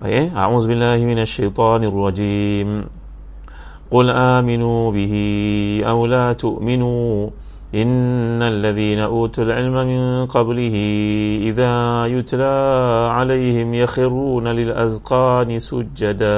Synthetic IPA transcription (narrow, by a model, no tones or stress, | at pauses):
ʔa̰ʔeːʔa̰ʕuːðbɪlːaːhɪmɪnaʃːajt̪ˤɑːnɑrˤːɑd͡ʒiːm | qʊlʔaːmɪnuːbɪhɪʔawlaːt̪ʊʔmɪnuː | ʔɪnːalːaðiːnaʔuːt̪alʕɪlmamɪnqɑblɪhɪʔɪðaːjʊt̪laːʕalajhɪmjaxɪrːuːnalɪlʔazqɑːnɪsʊd͡ʒːad̪a